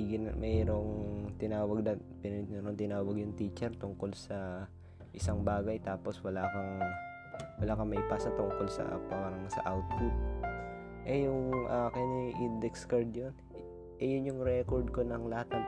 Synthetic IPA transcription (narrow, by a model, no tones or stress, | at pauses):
ɡɪnɐmɛɾo̞ŋt̪ɪnaːwɐɡ̚nɐpɪnɛnɛɾoŋt̪ɪnaːwɐɡjʊŋt̪iːt͡ʃɛɾt̪ʊŋko̞lsɐ | ʔɪsaŋbaːɡɐjt̪aːpo̞swɐlaːkɐŋ | wɐlaːkɐŋmɐʔɪpaːsɐt̪ʊŋko̞lsɐ̰paɾɐŋsɐ̰ʔawt̪̚kut̪̚ | ʔɛjʊŋʔakɐniʔind̪ɛkskɐɹd̪̚jon | ʔɛjʊnjʊŋɾɛkoɹd̪̚konɐŋlɐhat̪̚nɐŋ